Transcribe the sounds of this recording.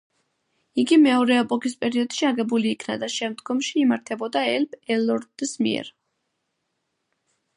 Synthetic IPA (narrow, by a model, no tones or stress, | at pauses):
iɡimɛɔɾɛːpʼɔkʼispʼɛɾiɔd̪̥ʃiaɡɛbuliːkʰnad̪aʃɛmd̪ɡɔmʃiːmaɾt̪ʰɛbɔd̪aɛlpʰɛlɔɾd̪̥smḭɛ̰ɾ